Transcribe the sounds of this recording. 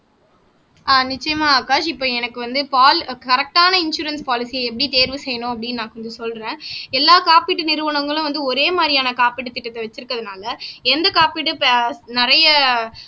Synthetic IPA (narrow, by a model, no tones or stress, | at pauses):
aːnɪt͡ʃːɐjɐmaːkaːʃɪpːoːɛnɐkːɯʋɐnd̪ɯpaːlkɐɾɐk̚ʈaːnɐɪnʂuːɾɐnspaːlɪsijɐɛpːɐɽit̪eːɾʋɯsɛjːɐnʊ̃ɐp̬ːɐɽɪnːnãːkɔɲd͡ʒɐsɔlɾẽːɛlːaːkaːpiːʈːɯnɪɾɯʋɐɳɐŋɡɐɭʊ̃ʋɐnd̪ɯɔɾeːmaːɾɪjaːnɐkaːpiʈːɯt̪ːɪʈːɐt̪ːɐʋɐt͡ʃːɪɾɯkːɐðɯnaːlɐɛnd̪ɐkaːpiʈːɯpːnɪɾɐjɐ